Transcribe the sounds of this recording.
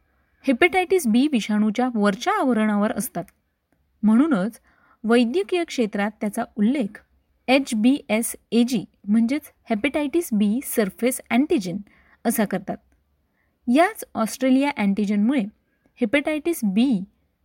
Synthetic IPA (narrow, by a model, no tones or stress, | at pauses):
hepəʈajʈisbiʋiɕaɽ̃ut͡ɕjaʋəɾt͡ɕaːʋɾəɳ̃aʋəɾəst̪at̪ | m̤əɽ̃uːnət͡s | ʋəjd̪jəkijəkʂet̪ɾat̪ːjat͡saulːekʰ | et͡ɕbiʔesed͡ʑim̤əɳd͡ʑet͡s | hepeʈajʈisbisəɾfesæ̃ɳʈid͡ʑən | əsakəɾt̪at̪̚ | jat͡sɔsʈɾelijaʔæ̃ɳʈid͡ʑənmuɭe | hepəʈajʈisbi